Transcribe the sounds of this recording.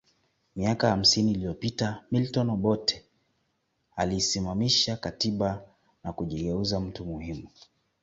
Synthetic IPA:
miakaham̩siniːlijɔpitamiltɔnɓɔtɛ | alisimamiʃakatiɓa | nakuʄiɡɛuzam̩tumuhimu

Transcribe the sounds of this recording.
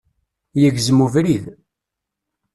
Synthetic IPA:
jəɡzmuvɾið

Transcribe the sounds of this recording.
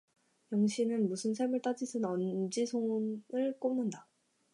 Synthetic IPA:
jʌŋɕʰinɯnmusʰɯnsʰemɯɭt͈ad͡ʑisʰɯnʌnd͡ʑisʰonɯɭk͈omnɯnda

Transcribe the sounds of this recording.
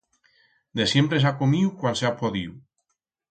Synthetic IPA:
d̪esjempɾes̬akomiwkwansapoðiw

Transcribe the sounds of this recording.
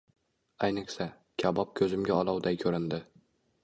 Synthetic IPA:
ajnɪkʲsa | kʲʰabɒp̚kʲʰɵzɪmɡʲaɒlˠɒwd̪ajkʲʰɵɾɪnd̪ɪ

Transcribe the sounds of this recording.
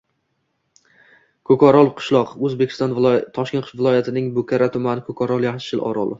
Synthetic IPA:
kʰokʰɒɾɒlˠqʰʊ̥ʃlˠɒqɵzbekʲʰɪ̥st̪ɒnt̪ʰɒʃkʲe̞nqʰʊ̥ʃvɪlˠɒjat̪ʰɪnɪŋbʊkʲʰaɾat̪ʰʊmanɪkʰokʰɒɾɒlˠjah̪ʃɪlɒ̰ɾɒ̰lˠɪ

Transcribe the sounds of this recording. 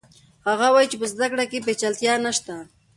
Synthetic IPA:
haɣawajt͡ʃepəzd̪akɽakep̬et͡ʃalt̪jɑnaʃt̪a

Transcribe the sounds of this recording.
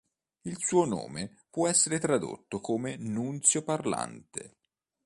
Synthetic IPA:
ilsuːono̰ːme | pwɔɛsːeɾet̪ɾad̪o̰t̪ːokoːmenunt̪sjoparla̰nt̪ḛ

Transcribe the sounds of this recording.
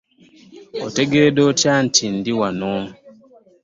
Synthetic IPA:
oteɡedotan̩tʰindiwanom

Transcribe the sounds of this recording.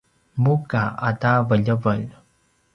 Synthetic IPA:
mukaa̰tavəʎəvəʎ

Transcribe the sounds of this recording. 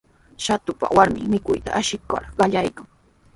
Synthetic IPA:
ʃat̪ʊpa̰waɾmɪ̰ŋmɪkʊjt̪aʔaʃɪkːa̰ɾɢɑʎajkaŋ

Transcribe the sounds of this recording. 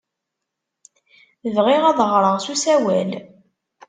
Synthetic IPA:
vʁiʁæðˤʁɾˤəʁsusæwæl

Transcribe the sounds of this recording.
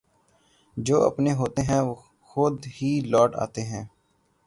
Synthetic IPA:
d͡ʒoːə̰pneɦoːt̪eɦɛ̃ːʋoː | xʊd̪ɦiːlɔːʈa̰ːt̪eɦɛ̃ː

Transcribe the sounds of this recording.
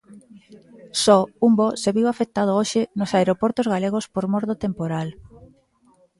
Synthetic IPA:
sɔumboseβiwafek̚t̪að̞ooʃenosaeɾopoɾt̪ozɣaleɣ̞ospoɾmɔɾðot̪empoɾal

